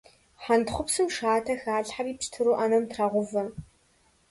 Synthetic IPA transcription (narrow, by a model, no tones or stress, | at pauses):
ħantχʷʊpsɨmʂaːtʰɐxaːɮħariːpʃtʰɨɾuːʔanɐmtʰraʁʷʊvɐ